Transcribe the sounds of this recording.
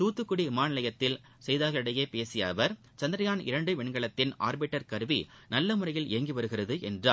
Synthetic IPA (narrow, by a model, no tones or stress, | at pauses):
t̪uːt̪ːɯkːɯɽiɪmaːnɐlɐjɐt̪ːɪl | sɛjðaːɣɐɭɪɽɐjeːpeːsɪja̰ːʋɐɾ | t͡ʃɐnd̪ɐɾɐjaːnɪ̰ɾɐɳɖɯʋɛɳɡɐɭɐt̪ːɪna̰ːɾbɪʈːɐɾkɐɾɯʋḭ | nɐlːɐmɯɾɐjɪleːŋɡiʋɐɾɯɣɪrɐðɯʔɛndra̰ː